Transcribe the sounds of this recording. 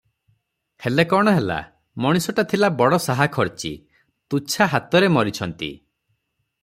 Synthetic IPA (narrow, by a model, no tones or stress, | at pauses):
helekɔɽ̃ɔɦela̰ | mɔɽ̃isɔʈat̪ʰilabɔɽɔsaɦakʰɔɾt͡ʃḭ | t̪ut͡ʃʰaɦat̪ɔɾemɔɾit͡ʃʰɔnt̪ḭ